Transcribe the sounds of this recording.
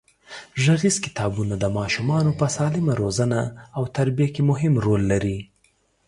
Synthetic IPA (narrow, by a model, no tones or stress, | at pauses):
ʒaɣizkɪ̥t̪ɑbunad̪əmɑʃumɑnopəsɑlɪmaɾozanaːwt̪aɾbijakemʊɦɪmɾolːaɾi